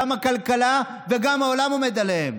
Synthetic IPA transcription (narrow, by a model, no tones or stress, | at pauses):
amakɐlkɐla | veɡamaolamomed̪ɐleem